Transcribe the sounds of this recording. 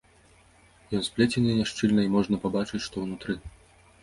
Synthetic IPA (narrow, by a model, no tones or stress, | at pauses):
jɔnspʲlʲɛt͡sʲɛnʲɐnʲaʂt͡ʂɨlʲnɐimɔʐnɐpabat͡ʂɨt͡sʲʂt̪ɔwnut̪ɾɨ